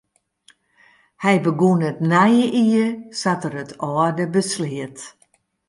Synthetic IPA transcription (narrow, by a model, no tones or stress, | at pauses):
hɛjbəɡunətnajəʔiəsatəɾətʰɔːədəbəsliət